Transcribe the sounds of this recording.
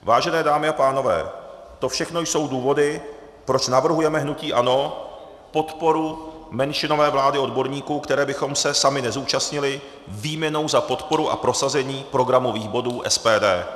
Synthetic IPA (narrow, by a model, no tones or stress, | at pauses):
vaːʒɛnɛːdaːmɪapaːno̞vɛ̰ː | t̪o̞fʃɛxno̞jso̞wduːvo̞dɪ | pɾo̞t͡ʃnavr̩ɦujɛmɛɦnuciːʔano̞ | po̞t̪po̞ɾu | mɛnʃɪno̞vɛːvlaːdɪo̞dbo̞ɾɲiːkuːkt̪ɛɾɛːbɪxo̞msɛsamɪnɛzuːt͡ʃast̪ɲɪlɪ | viːmɲɛno̞wzapo̞t̪po̞ɾuʔa̰pɾo̞sazɛɲiːpɾo̞ɡɾamo̞viːɣbo̞duːʔɛ̰spɛːdɛː